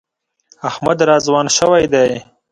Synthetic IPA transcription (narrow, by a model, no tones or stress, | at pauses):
ahmad̪ɾɑːzwɑːnʃəwajd̪aj